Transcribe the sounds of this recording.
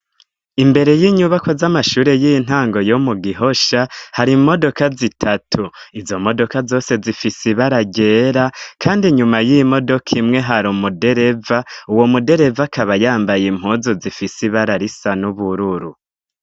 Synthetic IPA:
imbe̞ɾe̞jiɲuβako̞zamaʃuːɾe̞jiin̥haːŋɡo̞jomuɡiɦo̞ʃahaɾimo̞do̞kazitʰatʰuizo̞mo̞do̞kazo̞ːse̞zifisiβaɾaɟe̞ːɾakʰaːndiɲumajimo̞do̞kʰimŋe̞ɦaɾumude̞ɾe̞vauwo̞mude̞ɾe̞vakʰaβajaːmbajim̥huzozifisiβaɾaɾisanuβuɾuɾu

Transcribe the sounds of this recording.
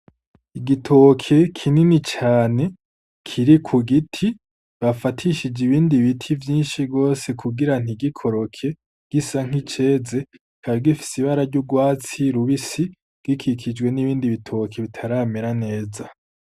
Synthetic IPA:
iɡitʰo̞kʰe̞kʰininit͡ʃaːne̞ | kʰiɾikʰuɡitʰi | βafatʰiʃid͡ʒiβiːndiβitʰivjiːnʃiɡo̞ːse̞kʰuɡiɾan̥iɡikʰo̞ɾo̞kʰe̞ | ɡ̥isaŋ̥it͡ʃe̞ːze̞ | kʰaɾɡifi̥siβaɾaɾɟuɡwaːt͡siɾuβisi | ɡ̥ikʰikʰid͡ʒɡwe̞niβiːndiβitʰo̞kʰeβitʰaɾaːmeɾane̞ːza

